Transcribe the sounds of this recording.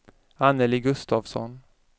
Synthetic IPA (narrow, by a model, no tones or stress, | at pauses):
anːəlɪɡɵst̪ɑːvsɔ̰n